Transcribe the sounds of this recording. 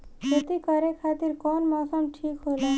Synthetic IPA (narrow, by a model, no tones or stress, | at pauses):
jet̪ikʌɾekʰat̪iɾkɔnmɔsʌmʈʰikɦola